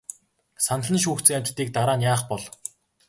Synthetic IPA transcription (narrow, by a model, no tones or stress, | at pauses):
sanə̆ɮə̆nʃ̬uːxt͡sɘ̆ŋamʲt͡ɕt̪ːiːk̚t̪aɾaːnjaːχpɔɮ